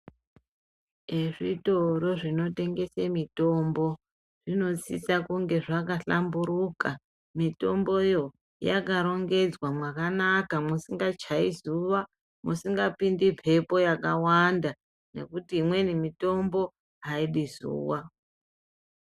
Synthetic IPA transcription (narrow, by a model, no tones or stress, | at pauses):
eʐitoɾo̞ʐino̞te̞ŋɡe̞semito̞mbo̞ | ʐ̥ino̞t͡sit͡sakuŋɡe̞ʐakaɬambuɾuka | mito̞mbo̞jo̞ | ja̰kaɾo̞ŋɡe̞d͡zwamwakanakamusiŋɡat͡ʃaizuʋa | musiŋɡapindipʰe̞po̞jakawanda | ne̞̰kutiːmwe̞nimito̞mbo̞ | ɦaiɗizṵːwa